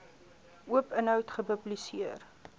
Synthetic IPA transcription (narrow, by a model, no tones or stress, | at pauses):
ʔuəpənɦœwtχəpɵblisiər